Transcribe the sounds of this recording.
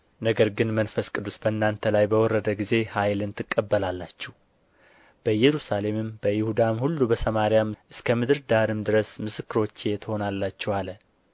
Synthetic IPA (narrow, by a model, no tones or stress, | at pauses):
nəɡəɾɡɨnmənfəskʼɨd̪ːusbənːant̪ʰəlajbəwɔɾːəd̪əɡize̞hajlɨnt̪ʰɨkʼːəbːəlalːat͡ʃːɛh | b̥əjɛɾusale̞mɨmbəjɪhud̪amhulːubəsəmaɾijamʔɨskʰəmɨd̪ɨɾd̪aɾɨmd̪ɨɾəsmɨsɨkːɨɾo̞t͡ʃːejɛt̪ʰəho̞nalːat͡ʃːɛwalə